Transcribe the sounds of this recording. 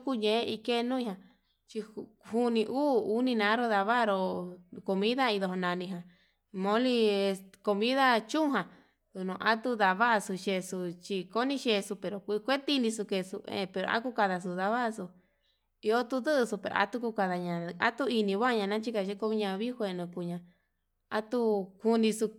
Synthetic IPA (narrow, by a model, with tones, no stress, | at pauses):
ku˦˧ɲẽ˧˦i˧ke˦˧nũ˦ĩ˧˦ã˧ | t͡ʃi˧hu˦nĩ˧ʔuː˦u˦nĩ˧nã˨˦ɾo˧ða˧βa˦˧ɾo˧ko˧mĩ˦ða˦ĩ˧ðo˧ɦo˧nã˧nĩ˧ɦã˨ | mõ˧˦li˧e˧sko˧mĩ˦ða˦t͡ʃũ˦˧ɦã˨ | ðu˧nõ˧ʔa˦t̪u˦˧ða˧βa˦ʔsu˧ʃe˧su˧t͡ʃi˧ko˦nĩ˧˦ʃe˧su˧pe˨ɾo˨kʷkʷe˦t̪i˦˧nĩ˧su˧ke˧sṵ˧ḛ̃˧˨pe˧˨ɾo̰˨˧a̰˦ku˦ka˧ða˧s̬u˧˨ða˧βa˦ʔsu˧ | i˧o˦t̪u˧ðɨ˦ʔɨ˧su˧pe˨ɾo̰˨a̰˧˦t̪u˦ku˧ka˧ða˧ɲã˧a˦t̪u˦i˧nĩ˧βa˦˧ɲã˧nã˦t͡ʃi˦ka˧ʃe˦ko˧βĩ˦ɲã˧βi˦hʷe˧˨nũ˧ku˧ɲã˧ | a˦t̪u˧ku˧nĩ˧su˧